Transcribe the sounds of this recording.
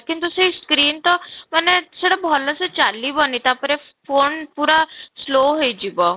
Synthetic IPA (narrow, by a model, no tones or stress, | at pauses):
kint̪usəiskɾiːnt̪ɔmənːɛsəɽəbʱɔləsət͡ɕalːibɔnit̪apəɾe | fonpuɾasloɦejd͡ʑibɔ